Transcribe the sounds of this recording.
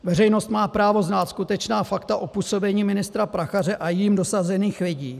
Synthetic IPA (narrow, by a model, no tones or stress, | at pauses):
vɛrɛjno̞st̪maːpɾaːvo̞znaːt̪skut̪ɛt͡ʃnaːfakt̪aʔopuːso̞bɛɲiːmɪnɪst̪ɾapɾaxarɛʔajimdo̞sazɛniːxvɪɟiː